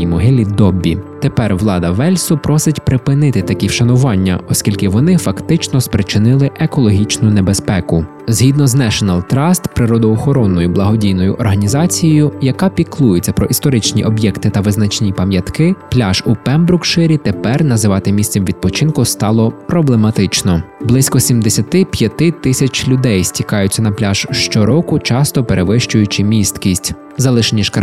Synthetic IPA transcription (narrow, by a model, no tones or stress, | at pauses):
imɔɦɪlʲid̪ɔbʲːḭt̪epɛrʋlˠɑd̪ɐʋɛlʲsʊpɾɔsɪtʲpɾɪpɪnɪt̪ɪt̪ɐkʲiʃɐnʊʋɑnʲːɐ̰ɔskʲilʲkɪʋɔnɪfɐkt̪ɪt͡ʃnɔspɾɪt͡ʃɪnɪlˠɪʔekɔlˠɔɦʲit͡ʃnʊnebespɛkʊ | zɦʲid̪nɔznɛʃɔnɐlˠt̪ɾɑst̪pɾɪɾɔd̪ɔːxɔɾɔnːɔjʊblˠɐɦɔdʲijnɔjʊ̰ʔɔrɦɐnʲizɑt͡sʲijɔjʊjɐkɑpʲiklˠujet͡sʲːɐpɾɔʔist̪ɔɾɪt͡ʃnʲḭʔɔbjɛkt̪ɪt̪ɐʋɪznɐt͡ʃnʲipɐmjɐt̪kɪplʲaʒupɛmbɾʊkʃɪɾʲit̪epɛrnɐzɪʋɑt̪ɪmʲist̪sɛmʋʲid̪̚pɔt͡ʃɪnkʊst̪ɑlˠɔpɾɔblˠemɐt̪ɪt͡ʃnɔblˠɪsʲkɔsʲimd̪esʲɐt̪ɪpʲjɐt̪ɪt̪ɪsʲɐt͡ʃʲlʲʊd̪ɛjsʲtʲikɑjʊt͡sʲːɐnɐplʲaʒ̥ʃt͡ʃɔɾɔkʊt͡ʃɑst̪ɔpeɾʔeʋɪʃt͡ʃʊjʊt͡ʃɪmʲist̪kʲisʲtʲ | zɐlˠɪʃenʲiʃk